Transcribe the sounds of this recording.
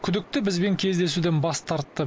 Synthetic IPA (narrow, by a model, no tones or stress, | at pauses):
kʲʰʏd̪ɪk̚t̪ɪbɪzbe̞ŋkʲʰe̞zd̪e̞sud̪enbɑst̪ʰɑɾt̪ːə